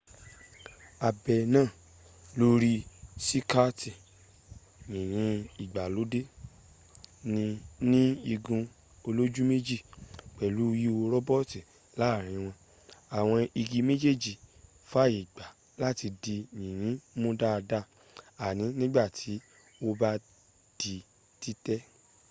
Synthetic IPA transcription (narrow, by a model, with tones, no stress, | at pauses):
a˨bɛ˨nãː˦˨ | lo˦ɾi˦si˦ka˦ti˨ | ɲĩ˨ɾ̃ĩ˨˧˦i˨ɡ͡ba˨lo˨˦de˦ | nĩ˧nĩ˦i˧ɡũ˧ | o˧lo˦d͡ʒu˦me˦d͡ʒi˦˨k͡pɛ˨lu˨˦˧ji˦wo˧ɾɔ˦bɔ˦˨ti˨ | la˨˦˨ɾ̃ĩ˨˧˦w̃ɔ̃˧ | a˨w̃ɔ̃˧i˧ɡi˧me˦d͡ʒe˦˨d͡ʒi˨ | fa˦i˨ɡ͡ba˨ | la˦˨ti˧di˧ɲĩ˨j̃ĩ˨˦mõ˦da˦˧da˦ | a˨nĩ˨˦nĩ˦ɡ͡ba˦˨tʰi˨˦ | o˦ba˦ | d̥i˧ | ti˦tɛ˦